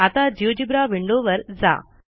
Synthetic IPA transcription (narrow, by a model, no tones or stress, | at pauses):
ɐt̪aːd͡ʑiʋd͡ʑibɾaːʋiɳɖoːʋɐɾd͡za̰ː